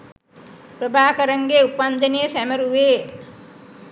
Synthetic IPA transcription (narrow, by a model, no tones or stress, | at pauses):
pɾəbʱaːkəɾəŋɡeupand̪ənijəsæməɾuʋeː